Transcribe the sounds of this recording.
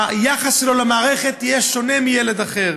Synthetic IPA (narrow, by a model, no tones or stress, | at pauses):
ajaχasʃelo̞lamaːʁeχet̪ijeʃo̞nemijeled̪aχeʁ